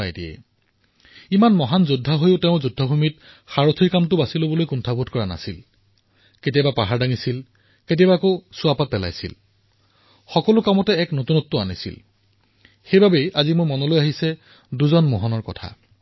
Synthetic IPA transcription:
ajdiɛ̰ | imanmɔɦanzudʱːaɦojʊteʊ̃zudʱːɔbʱumit | xaɹotʰiɹkamtʊbasilobɔlojkuntʰabʱudkɔɹana̰sil | ketijabapaɦaɹdaŋisil | ketiabaːkosʊapat̚pɛla̰jsḭl | xɔkɔlʊkamɔtɛːknotunɔtːʊanisḭl | xejbabejʔazimojmɔnɔlojaɦisɛ | duzɔnmɔɦɔnɔɹkɔ̰tʰa̰

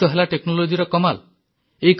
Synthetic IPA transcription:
t̪ɔɦelaʈeknolod͡ʒiɾɔkɔmal | ejk

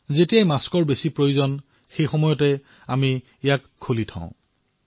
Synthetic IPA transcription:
zetijajmaskɔɹbesipɹojuzɔn | xejxɔmɔjɔtɛ | ami | ɛjakʰːolitʰã̰ʊ̃

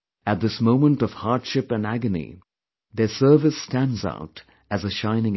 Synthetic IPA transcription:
ɨt̪̚ðɪsmõʊ̃mə̃ntʌv̥hɑɹdʃɪpɨ̃næɡɨnḭ | ðə˞sɜ˞vɨstæ̃ndza̰ʊt | ɨzəʃãɪ̃nɪ̃ŋ

